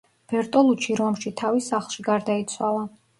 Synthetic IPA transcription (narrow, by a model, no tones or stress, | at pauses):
b̥ɛɾt̪ʼɔlˠut͡ʃʰiɾɔmʃit̪ʰavisaχlˠʃiɡaɾd̪ait̪sʰwalˠa